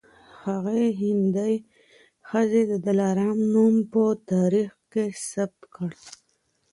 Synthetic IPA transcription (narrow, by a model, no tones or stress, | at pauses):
haɣeɦɪnd̪aj | xəzed̪əd̪alɑɾɑmnumpət̪ɑɾixkesab̚t̪kəɽ